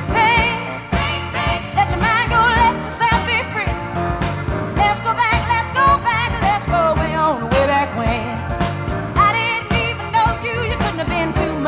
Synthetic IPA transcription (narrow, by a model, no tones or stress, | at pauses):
pʰeɪ | lɛt͡ʃəmãɪ̃nɡoʊlɛft͡ʃə˞sɛlˠfbikʰɹ̥ɪ | lɛtsɡ̥oʊbæklɛtsɡ̥oʊbækə̃n̩lɛtsɡ̥oʊwɛ̃õnðəweɪbækwɛ̃n | aɪɾɪdⁿn̩tivə̃n̩ːoʊjɨjɨkʊdⁿn̩ʌbɪ̃ntʰʉm